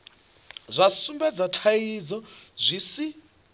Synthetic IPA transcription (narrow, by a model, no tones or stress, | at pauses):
zʷasumbɛd͡zatʰajid͡zɔzʷisi